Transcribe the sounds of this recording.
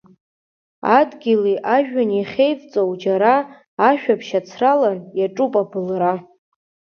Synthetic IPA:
a̰dɡʲiliʔaʒᶣaniχʲejvt͡sʼowd͡ʒaɾaː | ʃᶣapʰʃat͡sʰralanjaʈ͡ʂʼupʼabɨlra

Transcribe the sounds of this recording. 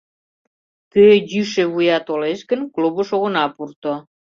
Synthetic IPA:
k̪øjyʃeβujɑt̪oleʃkənkluβəʃoɣə̆nɑpurt̪o

